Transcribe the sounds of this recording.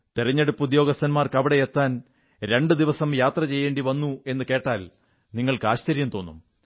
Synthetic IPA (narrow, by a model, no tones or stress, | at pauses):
t̪iriɲːeɽupːud̪jo̞ːɡɐst̪ʰːɐnmaːrkɐʋiɽeet̪ːaːn | ɾe̞ɳɖɨd̪iʋɐsɐmjaːt̪rɐt͡ɕe̞jːe̞ːɳɖiʋɐnːue̞nːɨke̞ːʈːaːl | niŋːɐɭkɨaːɕt͡ɕɐɾjɐmt̪o̞ːnːṵm